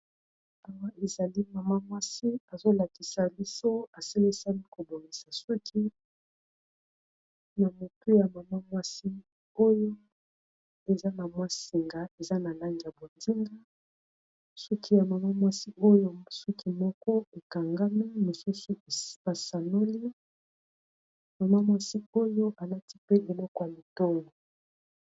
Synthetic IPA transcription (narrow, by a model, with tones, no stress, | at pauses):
a˨wa˦ʔe˨za˨li˦ma˨ma˦mwa˦si˦a˨zo˦la˨ki˨sa˨bi˦so˦a˨si˦li˦sa˦li˦ko˨bo˨ŋɡi˨sa˨su˦kʰi˦ | na˨mo˨tu˦ja˨ma˨ma˦mwa˦si˦ | o˦jo˦ | e˨za˦na˨mwa˦si˨ŋɡa˨e˨za˦na˨la˦ŋɡi˨ja˨bo˨ndi˦ŋɡa˦ | sɔ˦ki˦ja˨ma˨ma˦mwa˦si˦o˦jo˦su˦kʰi˦mɔ˦kɔ˦e˨ka˨ŋɡa˦mi˦mi˨su˦su˦e˨˦a˨sa˨no˦li˦ | ma˨ma˦mwa˦si˦o˦jo˦ʔa˨la˦ti˦pe˦ʔe˨lɔ˦kɔ˨ja˨li˨tɔ˦lo˨